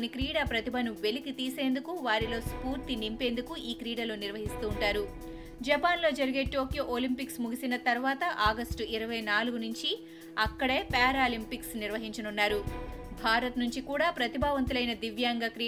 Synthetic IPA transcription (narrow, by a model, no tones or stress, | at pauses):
nikɾiːɽaːpɾɐt̪ibʱɐnuʋe̞likit̪iːse̞ːnd̪ukuʋaːɾilo̞ːspuːɾt̪inimpe̞ːnd̪ukuiːkɾiːɽɐlo̞ːniɾʋɐɦist̪uːɳʈaːɾu | d͡ʒɐpaːnlo̞ːd͡ʒɐɾiɡe̞ːʈo̞ːkijo̞ːʔolimpiksmuɡisinɐt̪ɐɾʋaːt̪ɐʔaːɡɐsʈuiɾɐʋɐjnaːluɡunuɲt͡ʃi | ɐkːɐɽe̞ːpaːɾaːlimpiksniɾʋɐɦiɲt͡ʃɐnunːaːɾubʱaːɾɐt̪nuɲt͡ʃikuːɽaːpɾɐt̪ibʱaːʋɐnt̪̬ulɐjnɐd̪iʋjaːŋɡɐkɾi